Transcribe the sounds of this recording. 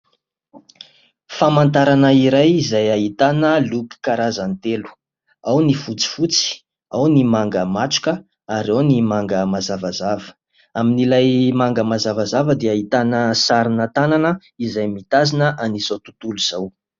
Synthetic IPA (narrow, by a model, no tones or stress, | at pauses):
famant̪aɾanəiɾajizajaɦit̪anəlupi̥kaɾazant̪elu̥ | awnifut͡si̥fut͡si̥ | awnimaŋɡəmaʈ͡ʂu̥kʲə | aɾawnimaŋɡəmazavazavə̥ | aminilajmaŋɡəmazavazavəd̪eaɦit̪anəsaɾinət̪ananə | izajmit̪azinəʔanisot̪ut̪uluz̥aw